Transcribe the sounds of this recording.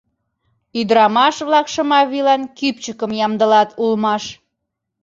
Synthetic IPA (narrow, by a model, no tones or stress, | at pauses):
yd̪ɾɑmɑʃβlɑkʃə̆mɑβilɑnkypt͡ɕəkəmjɑmd̪əlɑt̪ʰulmɑʃ